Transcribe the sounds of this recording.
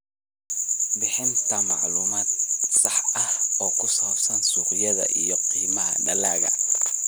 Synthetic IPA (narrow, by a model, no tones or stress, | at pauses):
bɪħɪnt̪ʰɐmɑʕluːmaːd̪̚sɑħɐhɔːkʰʊsɔːbsɐnsuːqjɐðɐ̰ʔijɔqiːmɐɦɐ̰ɖɐlaːɣɐ̰